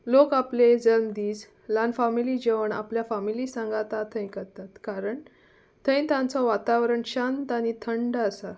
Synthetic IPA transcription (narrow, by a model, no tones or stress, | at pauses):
lokapled͡zəlmd̪iːs | lanfamilid͡ʑeʋəɳa̰pljafamilisãŋɡat̪at̪ʰə̃j̃kəɾt̪at̪kaɾəɳ | t̪ʰə̃j̃t̪ãnt͡sɔʋat̪aʋɾəɳɕant̪añit̪ʰəɳɖəːsa